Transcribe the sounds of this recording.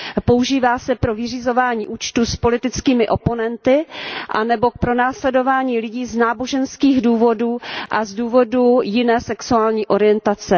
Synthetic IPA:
po̞uʒiːvaːsɛpɾo̞vɪr̝izo̞vaːɲiːʔuːt͡ʃt̪uspo̞lɪt̪ɪt͡skiːmɪʔo̞po̞nɛnt̪ɪʔa̰nɛbo̞k̚pɾo̞naːslɛdo̞vaːɲiːlɪɟiːznaːbo̞ʒɛnskiːɣduːvo̞duːʔazduːvo̞dujɪnɛːsɛksuaːlɲiːʔo̞ɾɪjɛnt̪at͡sɛ

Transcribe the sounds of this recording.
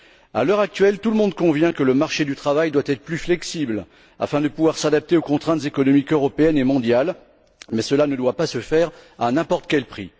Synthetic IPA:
a̰lœʁak̚t̪ɥɛlt̪uləmɔ̃d̪̚kɔ̃vjɛ̃kələmaʁʃed̪yt̪χavajd̪wat̪ɛt̪χəplyflɛksibl | a̰fɛ̃d̪əpuvwaʁsad̪ap̚t̪eokɔ̃t̪χɛ̃t̪zekɔnɔmikøʁɔpeɛnemɔ̃d̪jal | mɛsəlanəd̪wapasəfɛʁaɛ̃nɛ̃pɔʁt̪kʲɛlpχi

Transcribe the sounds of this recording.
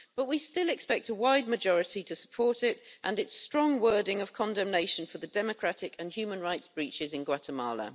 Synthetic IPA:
b̥ʌʔwistɪlɛkspɛk̚təwaɪd̚məd͡ʒɒɹɪtitʰəsə̥pʰɔˑtɪtʔə̃nɪtstɹ̥ɒ̃ŋwɜːdɪ̃ŋəv̥kʰɒ̃ndɛ̃mneɪʃə̃nfəðədɛməkʰɹ̥atɪkʰə̃nhjʉːmə̃nɹaɪtsb̥ɹiˑt͡ʃɪzɪ̃nɡwatʰəmɑ̰ːlə̰

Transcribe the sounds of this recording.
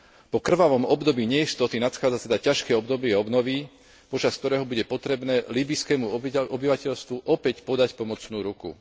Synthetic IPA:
pɔkr̩ʋaʋɔmɔbd̪ɔbiːɲɛist̪ɔt̪inat̪xaːd͡zat̪ɛd̪acaʃkɛɔbd̪ɔbɪɛɔbnɔʋiː | pɔt͡ʃask̚t̪ɔɾɛːɦɔbuɟɛpɔt̪ɾɛbnɛːliːbiskɛːmuʔɔbiʋacɛʎst̪ʋuʔɔpɛcpɔd̪acpɔmɔt͡snuːɾukṵ

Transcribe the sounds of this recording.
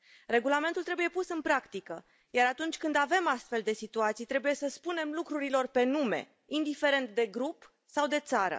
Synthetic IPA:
re̞ɡulame̞nt̪ult̪ɾe̞buje̞pusɨnpɾakt̪ikə | jaɾat̪unt͡ʃʲkɨnd̪ave̞mast̪fe̞ld̪e̞sit̪uat̪sijt̪ɾe̞buje̞səspune̞mlukɾuɾilo̞rpe̞nume̞̰ | ind̪ife̞ɾe̞nt̪d̪e̞ɡɾup | sawd̪e̞t̪saɾə̰

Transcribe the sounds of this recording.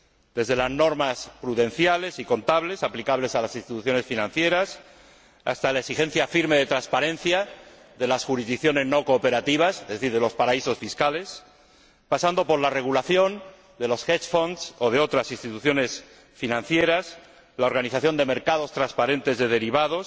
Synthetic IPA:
d̪̥e̞zðe̞lazno̞ɾmaspɾuðe̞nθjale̞siko̞nt̪aβle̞saplikaβle̞salasinst̪it̪uθjo̞ne̞sfinãnθje̞ɾas | a̰st̪alaeksixe̞n̟θjafiɾme̞ð̞e̞t̪ɾanspaɾẽ̞n̟θja | ðe̞lasxuɾizðikθjo̞ne̞zno̞ko̞ːpe̞ɾat̪iβ̞asezeθiɾðe̞lo̞spaɾaiso̞sfiskale̞s | pasand̪o̞po̞ɾlare̞ɣ̞ulaθjo̞n | d̪e̞lo̞sxet͡ʃfo̞nd̪so̞ðe̞o̞t̪ɾasinst̪it̪uθjo̞ne̞s | finãn̟θje̞ɾas | lao̞ɾɣaniθaθjo̞nd̪e̞me̞ɾkaðo̞st̪ɾaspaɾe̞nt̪e̞zðe̞ð̞e̞ɾiβ̞að̞o̞s

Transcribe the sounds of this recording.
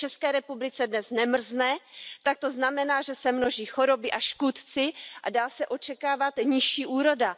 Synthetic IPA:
t͡ʃɛskɛːɾɛpublɪt͡sɛdnɛsnɛmr̩znɛːt̪ak̚t̪o̞znamɛnaːʒɛsɛmno̞ʒiːxo̞ɾo̞bɪʔaʃkut̪t͡sɪʔa̰daːsɛʔo̞t͡ʃɛkaːvat̪ɲɪʃiːʔuːɾo̞da

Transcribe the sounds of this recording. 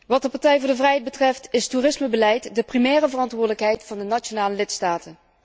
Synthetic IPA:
ʋɑt̚dəpɑɹtɛjvʊːɹdəvrɛjɦɛjd̚bətrɛftɪstuːrɪsməbəlɛjtdəprimɛːrəvərɑntʋʊːɹdələkɦɛjtfɑndənat͡ʃonaːləlɪtstaːtən

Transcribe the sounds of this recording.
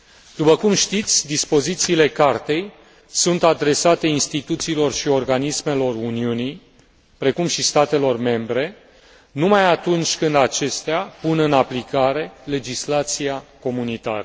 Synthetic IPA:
d̪̥upəkumʃt̪it̪sʲd̪ispo̞zit̪siːle̞kart̪e̞j | sunt̪ad̪ɾe̞sat̪e̞inst̪it̪ut̪siːlo̞rʃio̞rɡanisme̞lo̞runiunij | pɾe̞kumʃist̪at̪e̞lo̞rme̞mbɾe̞ | numajat̪unt͡ʃʲkɨnd̪at͡ʃe̞st̪eapunɨnaplikaɾe̞le̞d͡ʒislat̪sijako̞munit̪a̰ɾə

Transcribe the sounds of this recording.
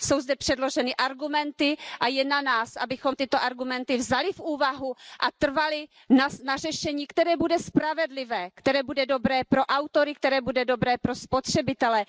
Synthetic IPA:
so̞wzdɛpr̝̥ɛdlo̞ʒɛnɪʔaɾɡumɛnt̪ɪʔajɛnanaːsʔabɪxo̞mt̪ɪt̪o̞ʔaɾɡumɛnt̪ɪvzalɪfʔuːvaɦuʔat̪r̩valɪ | nanarɛʃɛɲiːkt̪ɛɾɛːbudɛspɾavɛdlɪvɛːkt̪ɛɾɛːbudɛdo̞bɾɛːpɾo̞ʔawt̪o̞ɾɪk̚t̪ɛɾɛːbudɛdo̞bɾɛːpɾo̞spo̞t̪r̥ɛbɪt̪ɛlɛ

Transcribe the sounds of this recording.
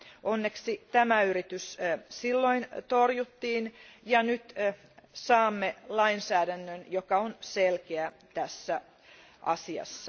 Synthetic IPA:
onːeksit̪æmæyɾit̪yssilːoint̪orjut̪ːiːnjɑnyt̪ | sɑːmːelɑinsæːdænːønjokɑonselkeæ | t̪æsːæ | ʔɑ̰siɑ̰sːɑ

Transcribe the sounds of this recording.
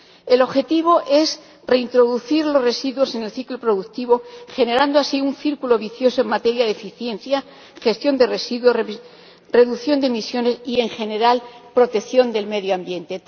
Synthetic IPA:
e̞lo̞βxe̞t̪iβ̞o̞ʔe̞s | re̞int̪ɾo̞ðuθiɾlo̞zre̞siðwo̞se̞ne̞lθiklopɾo̞ðukt̪iβ̞o̞xe̞ne̞ɾand̪oasiunθiɾkulo̞βiθjo̞soe̞ŋmat̪e̞ɾjaðefiθje̞nθja | xe̞st̪jo̞nd̪e̞re̞siðwo̞ | re̞ðuθjo̞nd̪emisjo̞ne̞sie̞ŋxe̞ne̞ɾalpɾo̞t̪e̞θjo̞nd̪e̞lme̞ðjoambje̞nt̪e̞

